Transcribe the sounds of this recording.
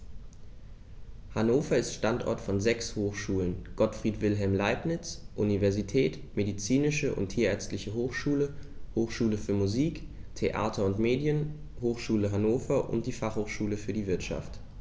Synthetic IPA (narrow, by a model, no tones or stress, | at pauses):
hanoːfɐɪstʃtantʔɔ̰ɐtfɔnzɛkshoːxʃuːlənɡ̥ɔtfʁ̥iːtv̥ɪlɦɛlmlaɪpnɪt͡sʔunivɛɐzitʰɛːt | medit͡siːnɪʃəʔʊ̰ntʰiːɐɛɐt͡stlɪçəɦoːxʃuːləhoːxʃuːləfyːɐmuziːk | tʰeʔa̰ːtʰɐʊntmeːdjən | hoːxʃuːləɦanoːfɐʔʊ̰nt̚d̥iːfaχhoːxʃuːləfyːɐdiːvɪɐtʃa̰ft